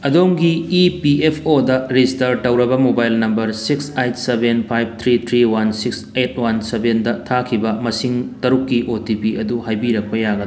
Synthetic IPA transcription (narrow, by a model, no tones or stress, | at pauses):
ɐdoŋɡiːpiepʰodɐɾistɐɾtɐwɾɐbɐmobajlnɐmbɐɾsiksejt̚sebenpʰajb̚t̪ʰɾit̪ʰɾiwansikset̚ʰwansebʱendɐtʰakʰibɐmɐsiŋtɐɾukːiʔotipiɐduhajbiɾɐk̚pɐjaɡɐd